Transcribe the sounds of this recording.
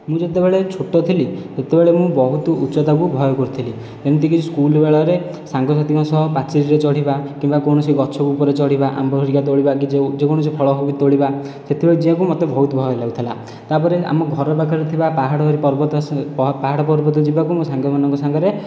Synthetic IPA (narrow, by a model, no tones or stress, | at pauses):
mũd͡ʒet̪ebeɭet͡ʃʰoʈɔt̪ʰilit̪et̪ebeɭemũbɔɦut̪ɔʔutːʃɔt̪akubʱɔjɔkoɾut̪ʰili | t̪enut̪ikiskulbeɭɔɾe | saŋɡɔsat̪ikɔ̃sɔɦɔpat͡ʃiɾiɾet͡ʃɔɽ̤ibakimbakɔwɽ̃ɔsiɡɔt͡ʃʰɔkuːpɔɾet͡ʃɔɽ̤ibaʔa̰mbɔɾɦoɾikat̪̬oɭibakid͡ʒed͡ʒekoɽɔsipʰɔɭɔɦobit̪oɭiba | set̪ʰibed͡ʒiãkumɔt̪ebɔɦut̪ɔbʱɔjɔlaut̪ʰila̰ | t̪apɔɾea̰mɔɡʱɔɾɔbakʰɔɾɾet̪ʰibapaɦaɽɔɦɾipɔɾbɔt̪paɦaɽɔpɔɾbɔt̪ɔd͡ʒibakumũsaŋɡɔmanɔŋkɔsaŋɡɔɾe